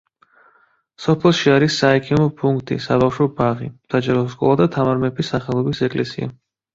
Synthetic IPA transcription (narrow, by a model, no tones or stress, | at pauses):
sɔpʰɛlˠʃiaɾisːaɛkʰimɔpʰuŋkʰt̪ʼḭsabafʃɔbaʁisad͡ʒaɾɔskʼɔ̰lˠad̪at̪ʰamaɾmɛpʰisaχɛlˠɔbisɛkʼlʔɛsḭa̰